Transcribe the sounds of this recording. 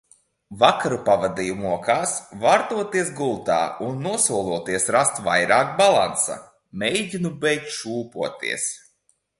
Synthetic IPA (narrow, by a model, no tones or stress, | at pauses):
vakaɾupavad̪ijumuɔkaːsvaɾt̪uɔt̪iɛsɡulˠt̪a̰ːunːuɔsuɔlˠuɔt̪iɛsɾast̪va̰jɾaːkbalˠa̰nsa̰ | mʲejɟʲinubɛjk̚t̪ʃuːpuɔt̪ḭɛs